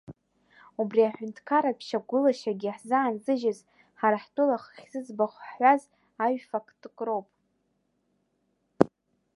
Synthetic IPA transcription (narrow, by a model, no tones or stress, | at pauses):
ubriaħʷᶣʊntʰkʰaɾapʰʃaɡʷʊlaʃaɡʲiħzaːnzɨʒɪz | ħaɾaħtʼʊlaχχʲzɨzbaχʷaz | aɥfakʰʼtʰʼkʼro̞wpʼ